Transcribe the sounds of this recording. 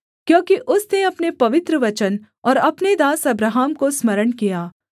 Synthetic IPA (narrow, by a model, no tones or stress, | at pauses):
kjõːkiʔʊsneɐpnepɐʋɪt̪ɾəʋɐt͡ʃən | ɔːɾɐpned̪aːsɐbɾaːɦaːmkosmɐɾəɳkijaː